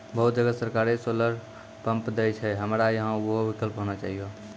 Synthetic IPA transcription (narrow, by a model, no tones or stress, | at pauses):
bəɦut̪̚d͡ʒəɡəsəɾkaɾesoləɾ | pə̃mpd̪ɛjt͡ʃʰɛɦəmɾajəɦãoɦobikəlpɦonat͡ʃaɦijo